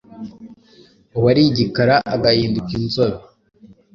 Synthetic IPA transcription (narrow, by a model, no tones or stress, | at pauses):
owaɾiɟikaɾaʔːɡahiːndukinzoɾo